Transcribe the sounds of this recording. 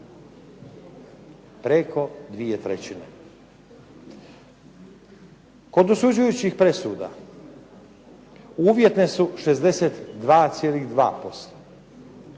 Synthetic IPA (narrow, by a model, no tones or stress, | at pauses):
pɾeko̞d̪ʋiet̪ɾḛt͡ɕinḛ | ko̞d̪osud͡ʑujut͡ɕixpɾe̞suːd̪a̰ | uːʋje̞t̪ne̞suʃe̞zd̪e̞set̪d̪ʋaːt̪sjeːliɣd̪ʋa̰ːpo̞st̪ḁ